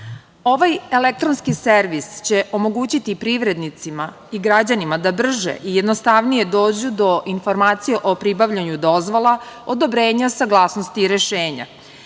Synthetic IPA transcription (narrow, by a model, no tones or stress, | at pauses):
o̞ʋajelek̚t̪ɾonskiseɾʋist͡ɕe̞ʔo̞mo̞ɡuːt͡ɕit̪ipɾiʋɾe̞d̪nit̪sima | iɡɾad͡ʑanimad̪abr̩ʒḛʔijed̪nost̪aʋnije̞d̪o̞ːd͡ʑud̪o̞ʔinfo̞ɾmaːt̪sijeʔopɾibaʋʎaɲud̪o̞zʋolˠaod̪o̞bɾe̞ːɲasaɡlˠaːsnost̪iːɾeʃeːɲa̰